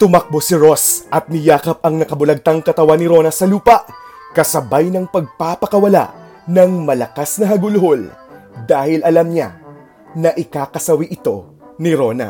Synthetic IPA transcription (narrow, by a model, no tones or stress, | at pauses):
t̪ʊmɐk̚bo̞sɪɾo̞sʔɐt̪̚mɪjaːkɐp̚ɐŋnɐkɐbʊlɐɡ̚t̪ɐŋkɐt̪ɐwanɪɾo̞nɐsɐluːpɐʔ | kɐsɐbajnɐŋpɐɡ̚papɐkɐwɐla̰ʔ | nɐŋmɐlɐkasnɐɦɐɡʊlɦold̪aːhɪlʔɐlamɲa̰ | nɐʔɪkaːkɐsɐwiʔɪt̪o̞ | nɪɾo̞nɐ̰